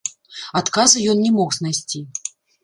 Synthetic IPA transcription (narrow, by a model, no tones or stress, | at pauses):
at̪kazɨjɔnnʲɛmɔxznajsʲt͡sʲi